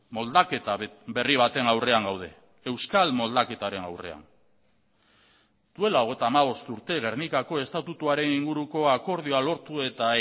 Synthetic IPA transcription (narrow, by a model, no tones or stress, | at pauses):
mo̞ld̪ake̞t̪abe̞riβ̞at̪e̞nawre̞aŋɡawð̞e̞̰ | e̞wskalmo̞ld̪ake̞t̪aɾe̞na̰wre̞̰a̰n | d̪̥ue̞laoɣejt̪aːmaβ̞o̞st̪uɾt̪e̞ɣ̞e̞ɾnikako̞e̞st̪at̪ut̪uaɾe̞niŋɡuɾuko̞ako̞ɾð̞ioalo̞ɾt̪ue̞t̪a